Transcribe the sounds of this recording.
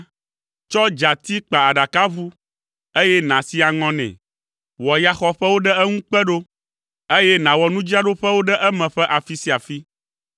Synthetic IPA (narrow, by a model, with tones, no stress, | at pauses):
t͡ʃɔ˦d͡ʒa˨t̪i˦k͡pa˨a˨ɖa˨ka˦vu˦ | e˦jɛ˦nã˨si˦a˨ŋɔ̃˦nɛ̰̃˨ | wɔ˨ja˦xɔ˦ɸɛ˦wo˦ɖɛ˦ɛ˦ŋũ˦k͡pɛ˦ɖo˦ | e˦jɛ˦nã˨wɔ˨nũ˦d͡ʑi˦a˨ɖo˦ɸɛ˦wo˦ɖɛ˦ʔɛ˦mɛ̃˨ɸɛ˦ʔa˨fi˦si˦a˨fi˦